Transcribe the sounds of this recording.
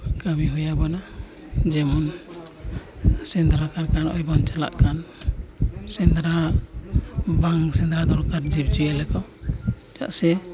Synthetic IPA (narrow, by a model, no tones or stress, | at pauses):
kabiɦujabana | d͡ʒɛmɔn | sɛnd̪ɾakaɾkanɔ̰jbɔnt͡ʃala̰ʔkan | sɛnd̪ɾa | baŋsɛnd̪ɾad̪ɔɾkaɾd͡ʒib̚d͡ʒujɛlɛkɔ | t͡ʃa̰ʔsɛ